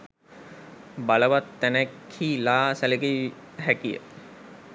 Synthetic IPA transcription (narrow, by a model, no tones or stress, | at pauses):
baləʋat̪ːænækʰhiːlaːsæleɡeiɦækijə̰